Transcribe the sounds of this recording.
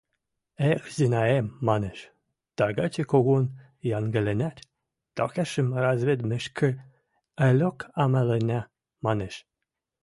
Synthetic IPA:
exzinɑemːɑneʃ | t̪ɑɡɑt͡ɕekoɣon | jɑnɡɘ̆lenæt̪ʲ | t̪ɑxʲæʃɘmrɑzβed̪mɘ̆ʃkʰɘ̆ | ælʲokɑmælenʲæ | mɑneʃ

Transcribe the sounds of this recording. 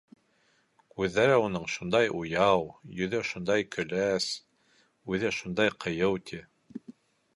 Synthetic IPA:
kʉðːæɾɘunɤɴʃund̪ɑjujɑwjɵ̆ðɘʃund̪ɑjkʰɵ̆læs | ʉðɘʃund̪ɑjqʰɤ̆jɤwt̪ʲʰi

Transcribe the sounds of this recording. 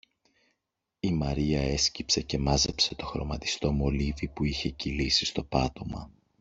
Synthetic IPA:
imɐɾiɐe̞scipse̞ce̞mɐze̞pse̞t̪o̞xɾo̞̰mɐt̪i̥st̪o̞mo̞livipuiçe̞cilisist̪o̞pɐt̪o̞mɐ̰

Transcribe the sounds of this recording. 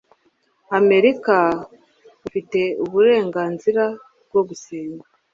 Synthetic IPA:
ame̞ɾika | ufite̞uβuɾe̞ːŋɡaːnziɾa | b̚ɡoɡusiːŋɡa

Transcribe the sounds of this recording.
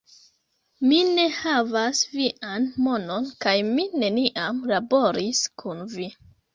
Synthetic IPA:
mine̞havasviʔanmo̞no̞nkajmine̞niʔamlabo̞ɾiskʰunvi

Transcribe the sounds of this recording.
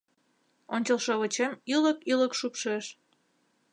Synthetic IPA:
onʲt͡ɕəlˠʃoβə̆t͡ɕemyləkyləkʃupʃeʃ

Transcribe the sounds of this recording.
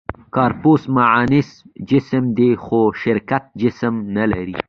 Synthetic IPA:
kɑːɾposmaʕaːnɪsd͡ʒɪsmd̪exoʃɪɾkat̪̚d͡ʒɪsəmnala̰ɾi

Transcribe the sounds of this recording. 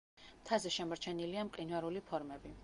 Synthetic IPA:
t̪ʰazɛʃɛmɔɾt͡ʃʰɛniliamqʼinvaɾulipʰɔɾmɛbi

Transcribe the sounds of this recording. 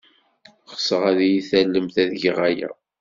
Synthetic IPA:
χə̥səʁæðjiθælːəmθæðʝʁæjæ̰

